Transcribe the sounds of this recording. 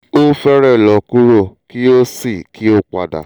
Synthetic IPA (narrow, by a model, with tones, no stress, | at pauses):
o˦fɛ˦ɾɛ˦˨lɔ˨ku˦ɾo˦˨ki˦o˦si˦˨ki˦o˦k͡pa̰˨da̰˨